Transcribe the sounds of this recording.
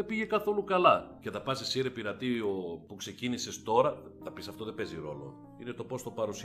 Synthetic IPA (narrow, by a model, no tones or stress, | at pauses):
ebiʝe̞kɐθo̞lukɐlɐceðɐpɐsisiɾepiɾɐt̪iopukse̞cinisest̪o̞ɾɐ | θɐpisɐft̪o̞ðe̞beziɾo̞̰lo̞̰ | ine̞t̪o̞po̞st̪opɐɾus